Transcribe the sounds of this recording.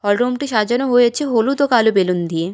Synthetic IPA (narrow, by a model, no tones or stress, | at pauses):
ɔlɖɾomʈiʃad͡ʑanoɦojet͡ɕʰeɦolut̪okalubelund̪ije